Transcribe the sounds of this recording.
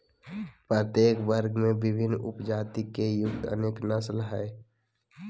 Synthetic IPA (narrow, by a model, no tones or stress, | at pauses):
pɾət̪jeːkbəɾɡmẽbɪbʱɪnːʊ̰pd͡ʒaːt̪ikejʊk̚t̪ə̰neːknəslɦɛe